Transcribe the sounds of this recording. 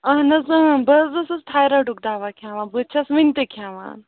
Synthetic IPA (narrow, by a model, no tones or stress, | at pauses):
ɐɦnɐzɐbɐzɐsɐst̪ʰaːjɾɐɖuk̚d̪aːʋakʰjaːʋaːnbɨt͡ʃʰɐsmɨnʲt̪ɨkʰjaːʋa̰ːn